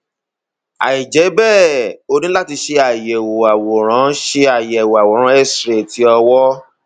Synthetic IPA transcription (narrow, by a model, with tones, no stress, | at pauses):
a̰˨i˨d͡ʒɛ˨˦bɛː˦˨o˧nĩ˦la˦ti˧ʃe˧a˨jɛ˨wo˨a˨wɔ˨ɾ̃ã˨˦ʃe˧a˨jɛ˨wo˨a˨wɔ˨ɾ̃ã˨˧˦ɛ˦sɾe˨tʰi˨˦ɔ˧wɔ˦